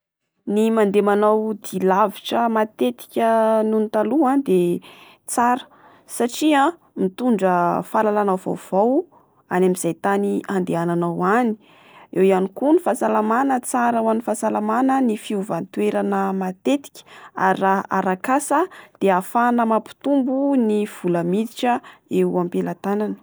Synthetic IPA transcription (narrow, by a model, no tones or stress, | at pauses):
nimand̪emanawd̪ilaviʈ͡ʂəmat̪et̪i̥kʲənunit̪aluãd̪e | t͡saɾə̥ | saʈ͡ʂiã | mit̪uɳɖ͡ʐəfalalanawva̰wv̥aw | anamiz̥ajt̪aniʔand̪eananawani̥ | ewianikunifasalamanət͡saɾawanifãsalamanənifiuvant̪weɾanəmat̪et̪i̥kʲə̥a̰ɾiraaɾakasəd̪̥eafanəmapi̥t̪umbuniv̥uləmid̪iʈ͡ʂəeampelat̪ananə̥